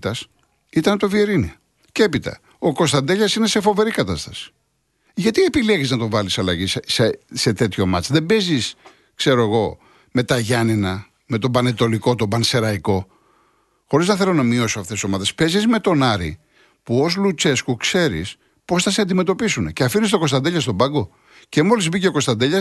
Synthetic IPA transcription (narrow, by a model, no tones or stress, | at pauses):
t̪ɐs | it̪ɐnt̪ovieɾini | cepit̪ɐ̰ | o̞ko̞st̪ɐnd̪eʎɐsine̞se̞fo̞ve̞ɾikɐt̪ɐst̪ɐ̥si̥ | ʝɐt̪ie̞pileʝiznɐt̪o̞vɐlisɐlɐʝissese̞t̪e̞t̪ço̞mɐt͡sðe̞mbe̞zis | kse̞ɾo̞eɣo̞ | me̞t̪ɐʝɐninɐ | me̞t̪o̞bɐnet̪o̞liko̞t̪obɐnse̞ɾɐiko̞ | xo̞ɾiznɐθelo̞nɐmio̞soɐft̪esiso̞mɐðe̞spe̞zizme̞t̪o̞nɐɾḭ | puo̞zlut͡se̞skukse̞ɾḭs | po̞sθɐseɐnd̪ime̞t̪o̞pisune̞ceɐfinist̪o̞ko̞st̪ɐnd̪eʎɐst̪o̞bɐŋɡo̞ | ce̞mo̞lizbiceoko̞st̪ɐnd̪eʎɐs